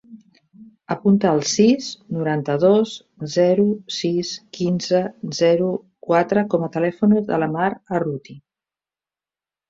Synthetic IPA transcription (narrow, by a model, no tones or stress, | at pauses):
əpunt̪əːlˠsiznuɾant̪əðos | zɛɾusiskinzəzɛɾu | kwat̪ɾəkɔmət̪əlɛfunəðə̰ləmaɾərut̪i